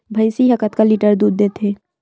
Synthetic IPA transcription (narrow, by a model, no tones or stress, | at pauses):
bʱɐjsiɦəkət̪kaliʈəɾd̪uːd̪̚d̪eːt̪ʰeː